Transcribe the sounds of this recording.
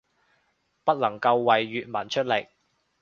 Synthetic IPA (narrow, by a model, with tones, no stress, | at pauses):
pɐ˥t̚lɐ˨˩ŋkɐ˧wːɐ˨jːyː˨t̚mɐ˨˩nt͡ʃʰɵ˥t̚le˨˩k̚